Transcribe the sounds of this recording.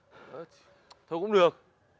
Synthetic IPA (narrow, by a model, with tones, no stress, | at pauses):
t̪ʰo˧˩kʊ̰˧˥ŋ͡mɗɨ˨˩ək̚